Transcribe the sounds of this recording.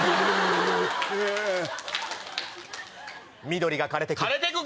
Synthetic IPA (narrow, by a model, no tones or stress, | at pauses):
e | mʲid̪o̞ɾʲiɡakaɾe̞t̪ekaɾet̪ekɯ